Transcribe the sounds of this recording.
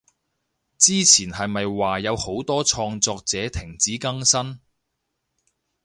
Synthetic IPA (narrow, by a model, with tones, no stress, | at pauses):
t͡siː˥t͡sʰiː˨˩nɦɐ˨jmɐ˨jwaː˨jɐ˨˧who˨˥wt̪ɔː˥t͡ʃʰɔː˧ŋt͡sɔː˧k̚t͡sɛː˨˥t̪ʰɪ˨˩ŋt͡siː˨˥kɐ˥ŋsɐ˥n